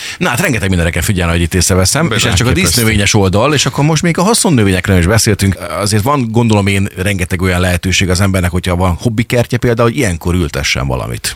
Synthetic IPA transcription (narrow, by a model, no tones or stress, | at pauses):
nɒɦat̪rɛŋɡɛt̪ɛɡminɛɾɛkɛlfiɟɛlɛɦoɟit̪ːeːsɛvɛsɛmeːʃɛst͡ʃɒkɒd̪ist̪nøveːɲɛʃo̞ld̪ɒleːʃɒkːo̞ɾmo̞ʃt̪meːɡɒɦɒso̞nːøveːɲɛkɾøːniʒbɛseːlt̪yŋkɒ̰zeːrt̪ʋɒnɡo̞nd̪o̞lo̞meːnrɛŋɡɛt̪ɛɡo̞jɒnlɛɦɛt̪øːʃeːɡɒzɛmbɛrnɛkhochɒvɒnho̞bːikɛrcɛpeːld̪aːuoɟijɛŋko̞ɾylt̪ɛ̰ʃːɛ̰ɱvɒ̰lɒ̰mḭt̪